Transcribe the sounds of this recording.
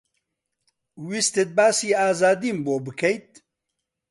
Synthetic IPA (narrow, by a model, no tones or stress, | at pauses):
wist̪et̪̚baːsiːaːzaːd̪iːmboːbɨkʰɛjt̪̚